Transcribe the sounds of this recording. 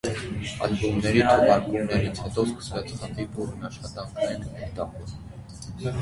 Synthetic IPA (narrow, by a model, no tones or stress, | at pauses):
ɑ̰lbumnɛɾit̪ʰɔʁɑɾkumnɛɾit͡sʰhɛt̪ɔskə̥svɛt͡sʰχənd̪ibuɾnɑʃχɑt̪ɑŋkʰnɛnɛt̪ɑχɔs